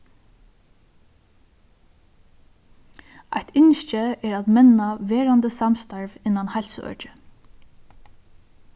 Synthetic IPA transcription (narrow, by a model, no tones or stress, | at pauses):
a̰jt̪ʰɪnʃt͡ʃɪɛːɹaːðmɛnaʋɛːɹand̪əsamst̪aɹvɪnːanhajlsəœ̰ːt͡ʃɪ